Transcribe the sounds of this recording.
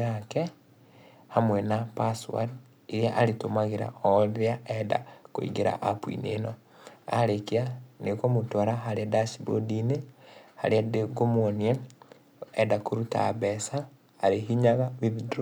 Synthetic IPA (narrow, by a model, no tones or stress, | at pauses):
ake | hamwɛnapaswa̰d | iɾjaʔaɾitomaɣeɾa̰oðjaɛda̰koḭɡeɾa̰ʔapwḭnḛno | a̰ɾekianekomutoɾaɦaɾadasibodineha̰ɾiadeɡomwonie | ɛdakoɾuta̰βɛsaː | ɾeɦiɲaɣaβiðuduɾo